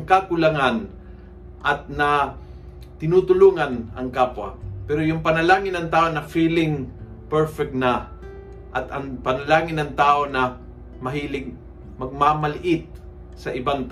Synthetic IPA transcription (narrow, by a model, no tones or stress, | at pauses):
ŋkakʊlɐŋan | ʔɐt̪̚nɐ | t̪ɪnuːt̪ʊluːŋɐnɐ̰ŋkaːpwɐ̰pɛɾojʊŋpɐnɐlaːŋɪnɐŋt̪aːʔonɐfiːlɪŋ | pɛɹfɛk̚t̪nɐ | ʔɐt̪ʔɐŋpɐnɐlaːŋɪnːɐŋt̪aːʔonɐ | mɐɦiːlɪɡ̚ | mɐɡ̚mamɐlɪʔɪt̪̚ | sɐʔɪbaŋt̪ː